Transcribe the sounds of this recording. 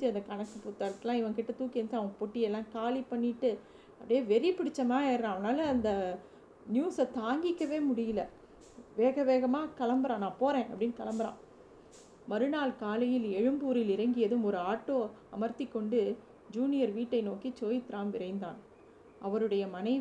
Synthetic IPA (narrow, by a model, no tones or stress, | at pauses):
d͡ʒɯɐnðɐkɐɳɐkːɯpʊt̪ːɐɾɐt̪ːɪlãːɪʋɐ̃ŋkɪʈːɐt̪uːkɪɐnt͡ʃɯɐʋɐ̃ɐpɔʈːɪjɛlːãːkaːlipɐɳːɪʈːɯ | ɐpːɽɪjeːʋɛɾɪɐpːɪɽɪt͡ʃːɐmaːɛɾɾãːɐʋɐnaːlɐːnd̪ɐ | njuːsɐt̪aːŋɡɪkːɐʋeːmʊɽɪjɪlɐ | ʋeːɣɐʋeːɣɐmaːkɐlɐmbɐɾãːnãːpoːɾẽːʔɐ̰pːɐɽɪnːkɐlɐmbɐɾã̰ː | mɐɾɯnaːlkaːlɐjɪlɛɻɯmbuːɾɪlɪɾɐŋɡɪjɐðɯmɔɾɯaːʈːoːɐmɐɾt̪ɪkːɔɳɖɯ | d͡ʒuːnɪjɐɾʋiːʈːɐɪnoːkit͡ʃoːjɪt̪ɪɾaːmʋɪɾɐɪnd̪ã̰ːn | ʔɐʋɐɾɯɽɐjɐmɐnɐɪ